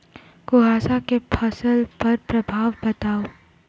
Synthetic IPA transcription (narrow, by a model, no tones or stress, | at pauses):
koɦaːsakepʰɐsəlpɐɾpɾɐbʱaːʋbɐt̪aːo